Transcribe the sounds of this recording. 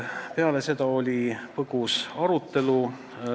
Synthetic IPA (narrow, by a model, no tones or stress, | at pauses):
peɑle̞se̞d̪ɑo̞lʲipɤɡ̥usɑɾut̪ːˑe̞lu